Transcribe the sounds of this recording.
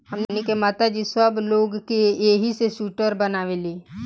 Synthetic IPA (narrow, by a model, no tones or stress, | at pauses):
ɦəmnenikemaːt̪ad͡ʒisəbloːɡkejeːɦiseʃuːʈəɾbənaːʋeliː